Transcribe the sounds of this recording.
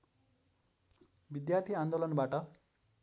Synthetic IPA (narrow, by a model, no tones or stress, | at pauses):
bid̪jart̪ʰiand̪olʌnbaʈʌ